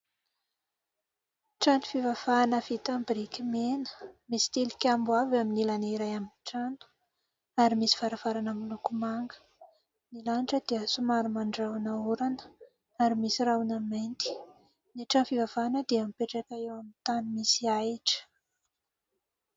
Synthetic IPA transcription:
ʈ͡ʂanifivav̥aːnəvit̪ambiɾikʲimenə̥misi̥t̪elikʲambuavaminilaneiɾajaminʈ͡ʂanu̥ | aɾimisi̥v̥aɾavaɾanamulukumaŋɡə̥ | nilanʈ͡ʂəd̪eəsumaɾumaɳɖ͡ʐawnauɾanə̥ | aɾimisirawnament̪i̥ | neʈ͡ʂanfivavaːnəd̪eamipeʈ͡ʂakaewamit̪animisiaiʈ͡ʂə̥

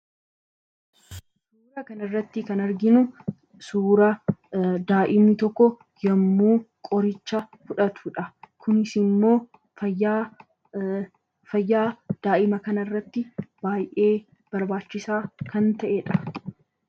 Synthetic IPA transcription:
suːɾɐkɐnɐrːɐt̪ːɪkɐnɐɾɡɪnʊ | suːɾɐ | d̪aːʔɪmɪt̪ɔkːɔ | jɐmːuːkʼɔɾɪt͡ʃːɐfʊᶑɐt̪uːᶑɐkʊnɪsɪmːo̞ː | ɐ | fɐjːaːd̪̥aːʔɪmɐkɐnɐrːɐt̪ːɪb̥aːjʔe̞ː | b̥ɐɾbaːt͡ʃːɪsaːkɐnt̪ɐʔeᶑɐ

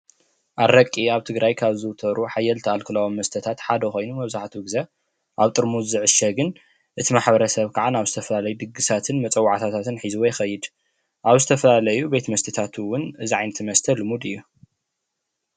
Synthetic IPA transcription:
ʔarɐkʼːiaβt̪ʰɨɡɾajkʰaβzɨwt̪ʰɐɾuħajːɛlt̪ʰɐʔalkʰɨlɐwomːɐst̪ʰɐt̪ʰat̪ħad̪ɐxo̞jnumɐβzaħt̪wɨɡzɐ | ʔaβt̪ʼɨɾmuzzɨʕɨʃɐɡɨn | ʔɨt̪ʰimaħbɐɾɐsɐβkʰaʕanaβzɨt̪ʰɐfɐlalɐjud̪ɨɡɨsat̪ʰɨnmɐt͡sʼɐwːaʕt̪ʰat̪ʰat̪ʰɨnħizuwɔjxɐjːɪd̪ | ʔaβzɨt̪ʰɐfɐlalɐjube̞t̪mɐst̪ʰɨt̪ʰat̪ʰɨwʊnɨziʕajnɐt̪ʰmɐst̪ʰɐlɨmud̪ɨjːu

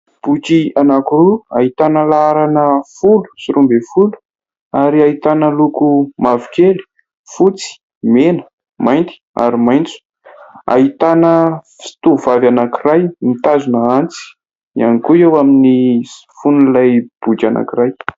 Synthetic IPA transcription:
b̥ukianakuɾuaɦit̪anəlaaɾanəfulu̥siɾumbefulu̥ | aɾiait̪anəlukumavi̥keli̥ | fut͡si̥ | menə̥ | majnt̪i̥a̰ɾimajnt͡su̥ | a̰it̪anəfi̥t̪uvavanakirajmit̪azunaant͡si̥ | ianikuewamini | funulajb̥ukiana̰kiraj

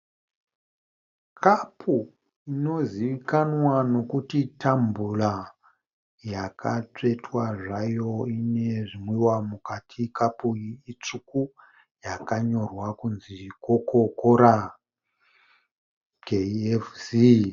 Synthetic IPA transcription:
kʰapʰu | ino̞ziʋikanwano̞kutitambula | jakʰat͡ʂe̞twaʐajo̞ine̞ʐimwiwamukatʰikapuːt͡ʂuku | jakaɲo̞rwakunzikokokoɾa | ɡeefsi

